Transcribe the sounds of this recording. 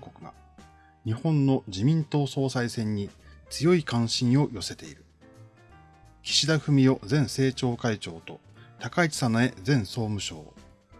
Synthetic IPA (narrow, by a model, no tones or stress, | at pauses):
kokɯ̟ɡa̰ | ɲ̟ihõ̞nːo̞d͡ʑimʲĩnt̪o̞ːso̞ːsaisẽ̞ɲ̟ːit͡sɨjo̞ikãɰ̃ɕĩɰ̃o̞jo̞se̞t̪e̞ḭɾɯ̟ | kʲi̥ɕid̪aɸɯ̟mʲijo̞d͡zẽ̞ɰ̃se̞ːt͡ɕo̞ːkait͡ɕo̞ːt̪o̞ | t̪akait͡sɨ̥sanae̞d͡zẽ̞ɰ̃so̞ːmɯ̟ɕo̞̰ː